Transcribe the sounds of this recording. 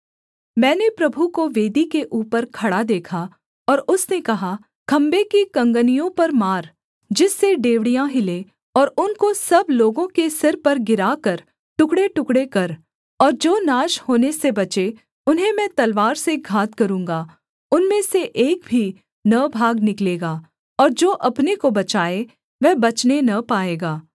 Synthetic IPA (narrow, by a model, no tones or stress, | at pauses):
mɛ̃ːnepɾɐbʱukoʋeːd̪ikeʔuːpəɾkʰɐɽad̪eːkʰa | ɔːɾʊsnekɐɦa | kʰɐ̃mbekikɐ̃ŋɡənijõpɐɾmaːɾ | d͡ʒɪsːeɖeːʋɽijãɦɪle | ɔːɾʊnkosɐbloːɡõkesɪɾpɐɾɡɪɾaːkɐɾ | ʈʊkɽeʈʊkɽekɐɾ | ɔːɾd͡ʒoːnaːʃhoːnesebɐt͡ʃe | ʊnɦẽmɛ̃ːt̪ɐlʋaːɾseɡʱaːt̪kɐɾũːŋ̆ɡaː | ʊnmẽseʔeːk̚bʱi | nɐbʱaːɡnɪkleːɡaː | ɔːɾd͡ʒoːʔɐpnekobɐt͡ʃaːe | ʋɛːbɐt͡ʃnenɐpaːeːɡaː